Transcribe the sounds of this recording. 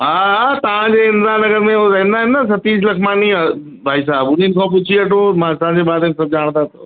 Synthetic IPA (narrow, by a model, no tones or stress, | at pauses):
ɦaːt̪ɐʋ̤ãd͡ʑeɪnzãːnnːɐɡəɾmẽoɾɐ̃ɦɪ̃nd̪aːɦɪ̃nːəsɐt̪iːs̬lɐkʰmaːniɐ | bʱaːis̬aːbʊn̤inkʰãp̬ʊt͡ɕʰiɐʈʰomãɐsãd͡ʑebaːɾemẽsɐb̚d͡ʑaːɽ̃t̪ʰat̪ɐ